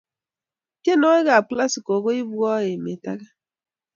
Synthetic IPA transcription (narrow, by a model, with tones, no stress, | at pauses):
ke˦no˦ɪ˦ɣa˨a˨k͡pla˦si˨ko˨ɡo˦i˦bu˦ɔ˦e˨me˨ta̰˦ɡa˦